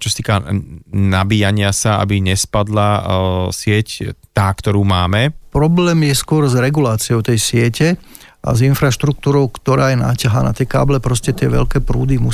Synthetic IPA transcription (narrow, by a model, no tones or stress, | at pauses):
t͡ʃɔsat̪iːkanabiːjaɲɪasaa̰biɲɛspad̪lasɪɛct̪aːkt̪ɔɾuːmaːmɛpɾɔblɛːmjɛskʊɔɾzɾɛɡulaːt͡siɔʊt̪ɛjsɪɛcɛ | ʔa̰zinfɾaʃt̪ɾuk̚t̪uːɾɔʊkt̪ɔɾaːjɛna̰ːcaɦaːna̰t̪jɛka̰ːblɛpɾɔscɛt̪ɪɛ̰ʋɛ̰ʎkɛːpɾṵːd̪imu